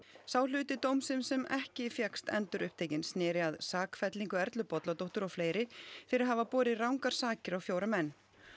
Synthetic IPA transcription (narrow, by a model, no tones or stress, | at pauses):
saːwlʏːt̪ɪt̪owmsɪnsɛmɛ̰hcɪfjɛkst̪ɛ̰nt̪ʏɾʔʏ̰hp̚t̪ʰeːjcɪnsnɪːɾɪaðsaːkfɛt̪liŋkʏɛɾt̪lʏpɔt̪lat̪owht̪ʏɾɔɣfleːjɾɪfɪɾɪɾaɦaːvapɔːɾɪrawŋkaɾ̥saːcɪɾawfjoːwɾamɛnː